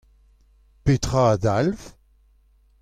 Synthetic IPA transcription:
pet̪χaad̪alf

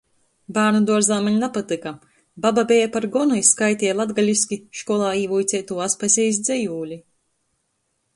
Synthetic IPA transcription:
baːɾnud̪uɔɾzaːmaɲʲapat̪ɨka | bababʲɛjapaɾɡɔnujskajt̪ʲiːlˠad̪ɡalʲisʲkʲiʃkuɔlˠaːiːvujt̪sʲɛːt̪uːaspasʲɛjs̬d̪zʲɛjuːlʲi

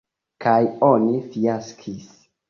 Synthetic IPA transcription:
kajo̞nifiaskʰis

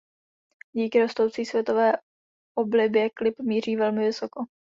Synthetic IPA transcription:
ɟiːkɪɾo̞st̪o̞wt͡siːsvjɛt̪o̞vɛː | ʔoblɪbjɛklɪpmiːr̝iːvɛlmɪvɪsoko

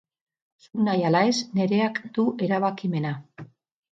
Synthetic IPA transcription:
suknajalae̞sne̞ɾe̞akd̪̥uʔe̞ɾaβakime̞na

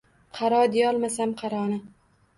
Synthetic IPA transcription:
qʰɑɾɒd̪ɪjɒlˠmasamqʰɑɾɒnɪ

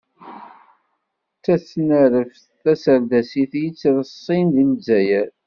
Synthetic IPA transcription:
t͡sːæsnəɾəf | θæsəɾd̪æsiθjit͡sːɾəsˤːinðiməzːæjæ

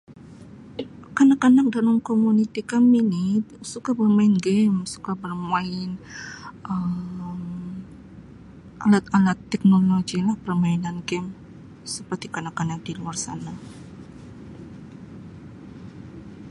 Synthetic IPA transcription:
kanakanak̚dalamkomunit̪ikaminisukabərmaɪnɡɛmsu̥kabərmaɪn | əm | ʔalat̪alat̪ːɛk̚noloɡilahpərmainanɡɛm | səpərt̪ikanakanak̚diluarsa̰na

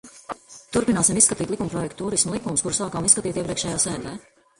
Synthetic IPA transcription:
t̪uɾpinaːsimisskat̪iːt̪likumpɾɔjɛkt̪ːuːɾismlˠikumuskuɾusaːkamisskat̪iːt̪iɛpɾiɛkʃɛːjaːsæːt̪ɛː

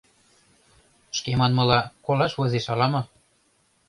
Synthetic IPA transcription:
ʃkemɑnmɤ̆lɑkolɑʃβɤzeʃɑlɑmɤ̆

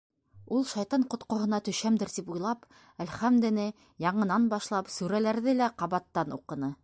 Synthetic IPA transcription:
ulˠʃɑjt̪ɑɴqŏt̪qŏɦɤ̆nɑt̪ɵ̆ʃæmd̪ɘ̆ɾt̪ipujlˠɑp | ælχæmd̪ɘ̆nɘ | jɑɴɤ̆nɑnbɑʃlˠɑpsʉɾælæɾðɘlæqɑβɑt̪ːɑnṵqɤ̆nɤ

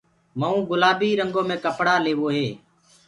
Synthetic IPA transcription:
məːũːɡʊlaːbiːɾəŋɡoːmẽːkəpɽaːleːʋoːɦeː

